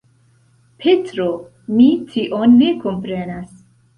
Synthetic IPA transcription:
pʰetɾo | mitʰiʔonːe̞kompɾenas

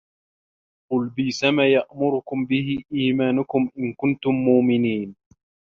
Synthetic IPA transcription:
qʊlbiːsamaːjaʔmʊɾʊkʊmbɪhɪʔiːmaːnʊkʊmʔɪnkʊnt̪ʊmːʊːmɪniːn

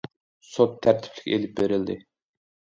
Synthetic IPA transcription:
sot̪ʰːæɾt̪ʰɪ̥pʰlɪ̥kʲḛlɪp̚beɾɪld̪ɪ

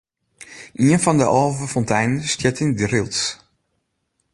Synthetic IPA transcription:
ʔiənfɔndə̰ʔɔlˠvəfɔntɛjnəstjɛtindrɪlˠs

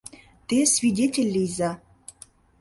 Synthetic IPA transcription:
t̪esvʲidʲetʲelʲːijza

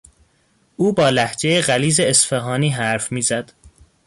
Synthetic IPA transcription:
ʔuːbɒːlæhd͡ʒe̞jeɢæliːzeːsfeɦɒːniːɦæɾfmiːzæd̪̥

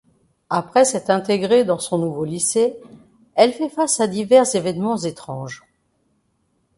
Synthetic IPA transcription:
apχɛsɛt̪χɛ̃t̪eɡʁed̪ɑ̃sɔ̃nuvolise | ɛlfɛfasad̪ivɛʁzevɛnmɑ̃zet̪χɑ̃ʒ

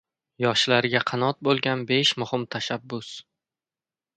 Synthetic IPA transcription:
jɒʃlaɾɪɡʲaqʰɑnɒt̪̚bolˠɡʲanbe̞ʃmʊhɪmt̪ʰaʃabːʊs

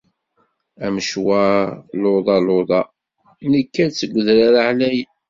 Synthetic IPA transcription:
æmʃwaloðˤɑloðˤɑ | nəkːæɾt͡sːəɡʷːəðɾaɾaʕlæj

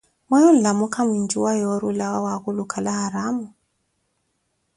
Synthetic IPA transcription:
wɛjɔn̩ɮamukʰamind͡ʒuwajɔɾulawawaɣulukʰalahaɾamu

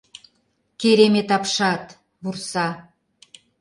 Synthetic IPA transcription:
keɾemet̪ɑpʃɑt̪ | βursɑ

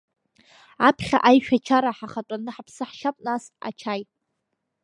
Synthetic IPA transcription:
apʰχʲa̰ʔajʃᶣat͡ʃʰaɾaħaχatʷʼanɨħapʰsɨħʃapʼnas | a̰t͡ʃʰaj

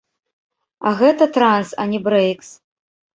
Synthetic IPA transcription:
aɣɛt̪ɐt̪ɾansɐ̰nʲɛbɾɛjks

